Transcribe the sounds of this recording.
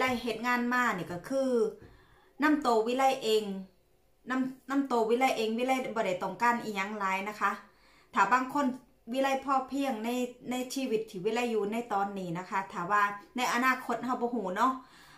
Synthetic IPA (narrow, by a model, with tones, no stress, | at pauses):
la˧˩˨jɦe˨˩t̪̚ŋaː˧˥˨nmaː˧˩niː˧˩kɔ˧˩kʰɯː˧˩ | na˧˥˨mt̪oː˧wiː˦˧˥la˧˥˨jʔeː˧ŋ | na˧˥˩mna˧˥˨mt̪o˨˧˩wiː˧˥la˧˩˨jʔeː˨˧ŋwiː˧˥la˧˩˨bɔː˧˦da˧˩jt̪ɔ˧˩ŋkaː˧˨nʔiː˧˩ɲa˧˥˩ŋlaː˨˦jna˧kʰa˦˥ | t̪ʰaː˨˩baː˧˥˨ŋkʰo˧˥˨n | wiː˧˥la˧˩˨jpʰɔː˧˩pʰi˧˩əŋna˧˥˩jna˧˥˨jsʰiː˧˨wi˧˦t̪ʰːiː˧˩wiː˧˥la˧˥˨jːuː˧na˧˥˨jt̪ɔː˧nːiː˧˩na˧kʰa˦˧˥t̪ʰaː˨˩waː˧˩na˧˩jʔa˧naː˧˩kʰo˧˥t̪̚ɦa˧˩wbɔː˧˦ɦuː˨˩˦nɔ˧˥ʔ